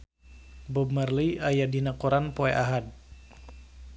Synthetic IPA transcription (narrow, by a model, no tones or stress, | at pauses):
bɔbmərliʔajadinakɔɾanpoɛʔaɦad̚